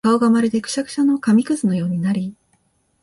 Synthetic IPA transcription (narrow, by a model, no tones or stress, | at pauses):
kao̞ɡamaɾʲid̪e̞kɯ̟̥ɕakɯ̥ɕano̞kamʲikɯ̟zɨno̞jo̞ːɲ̟inaɾʲi